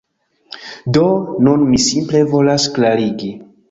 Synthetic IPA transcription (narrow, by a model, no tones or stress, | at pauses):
do̞nunmisimple̞vo̞lasklaɾiɡi